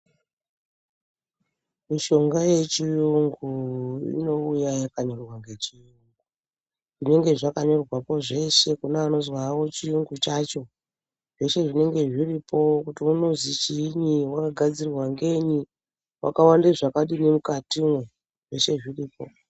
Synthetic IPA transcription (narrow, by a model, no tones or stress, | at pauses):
miʃo̞ŋɡaje̞t͡ʃijuŋɡuḭno̞ujajakaɲo̞rwaŋɡe̞t͡ʃijuŋɡu | ʐine̞ŋɡe̞ʐakaɲo̞rwapo̞ʐe̞ʃe̞kunaːno̞zwawo̞t͡ʃijuŋɡut͡ʃat͡ʃo̞ | ʐ̥e̞ʃe̞ʐine̞ŋɡe̞ʐiripo̞kutiuno̞zit͡ʃiɲiwakaɡʱad͡zirirwaŋɡe̞ɲi | wa̰kawandeʐakaɗinemukatimwe | ʐe̞ʃe̞ʐiriːpo̞̰